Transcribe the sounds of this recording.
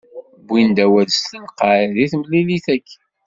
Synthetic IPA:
bʷind̪æwæðstəlqəɾðiθməlːiliθækː

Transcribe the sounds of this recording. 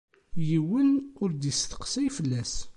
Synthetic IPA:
jiwənʊɾd̪isθə̥qsæjfəlːæs

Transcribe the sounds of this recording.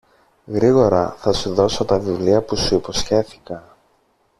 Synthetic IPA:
ɣɾiɣo̞ɾɐ̰θɐsuðo̞so̞t̪ɐvivliɐpusuipo̞sçe̞θi̥kɐn

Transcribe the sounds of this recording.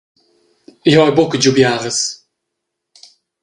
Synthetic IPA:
jɔjbʊkədubjaːʁəs

